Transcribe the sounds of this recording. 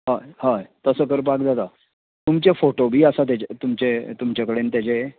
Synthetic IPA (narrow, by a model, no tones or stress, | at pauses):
ɦaɦajt̪əsəːkəɾp̬akd͡zat̪a | t̪umt͡ɕefoʈobʱiːəsat̪̬jed͡ʑet̪umt͡ɕet̪umt͡ɕjakəɽent̪jad͡ʑe